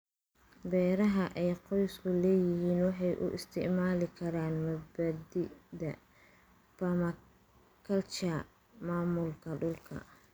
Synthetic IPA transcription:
bɛːɾɐɦɐʔɛjqɔjskʰʊlɛːjɪɦiːnwɑħɑjʔʊ̰ʔɪ̰st̪ʰɪʕmaːlɪkʰɐɾaːnmɐd̪bɐd̪ɪd̪ɐ | pɐmɐ | kʰɐlt͡ʃɐ | maːmʊlkʰɐɖʊlkʰɐ̰

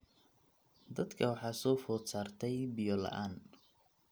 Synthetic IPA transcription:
d̪ɐd̪kʰɐwɑħɑːsɔːfɔːt̪saːrt̪ʰɛjbɪjɔlɐ̰ʔaːn

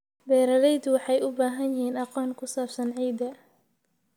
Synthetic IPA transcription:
bɛːɾɐlɛjd̪wɑħɑjʊbaːɦɐnjɪɦiːnɑqɔːŋkʰʊsaːb̥sɐnʕiːd̪ɐ

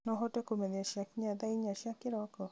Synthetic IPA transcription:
nɔɦɔtekomed̪jaʃakɲad̪aiɲaʃjakɪɾɔkɔ

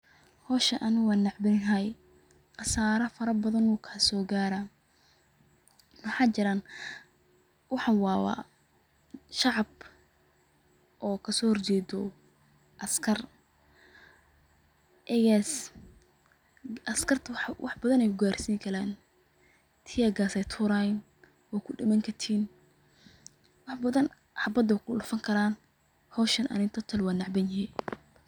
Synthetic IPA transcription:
hɔːʃɐʔɐnɪɣaːnːɑʕbɪɪnɦaj | qɑsaːɾɐfɐɾɐbɐðɐnuːkʰɐsɔːɡaːɾa | mɐħɑːt͡ʃɪɾaːn | wɑħɑwɑːwɑ̰ː | ʃɑʕɑb | ʔɔːkʰɐsɔːhɔrt͡ʃɛːd̪ɔ | ʔɐskʰɐr | ʔɛjɛs | ʔɐskʰɐrt̪ʰwɑ̰ħbɐðɐnɛjkʰʊɡaːrsiːŋkʰɐlaːn | t̪ʰɪjɐɡaːsɛjt̪ʰuːɾaːjn | wakʰʊɖɐmɐŋkʰɐt̪ʰiːn | wɑħbɐðɐn | ħɑbɐd̪ɐkʰʊlʊfɐŋkʰɐɾaːn | hɔːʃɐnɐ̰nɪnt̪ʰɐt̪ʰɐlwaːnɑʕbɐnjɪɦin

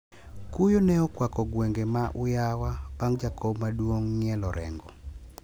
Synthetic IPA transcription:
kujonɛɔkwakɔɡweŋɡemaʔʊjawab̥aŋd͡ʒakʰobmadwoŋːɪɛlɔɾɛ̰ŋɡɔ̰

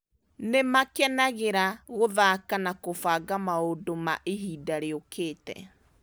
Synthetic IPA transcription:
nemakɛnaɣeɾaɣoðakanakofaːɡamaodoma̰ʔeɦiːdaɾeokʰeːtɛ̰

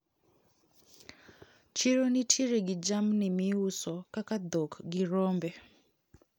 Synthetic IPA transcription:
t͡ʃiɾonitʰiɾeɡid͡ʒamnimiusɔkakad̪ɔkɡiɾɔmbɛ

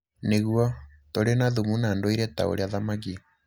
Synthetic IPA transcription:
neɣuɔ | toɾenaðumunandoiɾɛta̰o̰ɾeaðamak̬i

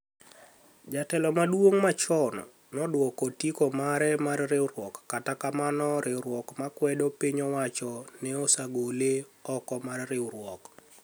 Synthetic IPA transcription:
d͡ʒatɛlɔmadwoŋmat͡ʃɔnɔ̰ | nɔdwɔkɔtikɔmaɾɛmarrɪwɾwɔkːatakamanɔɾʔɪwɾwɔkmakwɛdɔpiɲɔwat͡ʃɔnɛɔsaɡoleɔkɔmarrɪwɾwɔk

